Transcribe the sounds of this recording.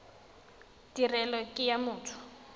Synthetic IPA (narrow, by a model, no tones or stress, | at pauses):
d̥irɛlɔkʼɪjamʊːtʰʊ̥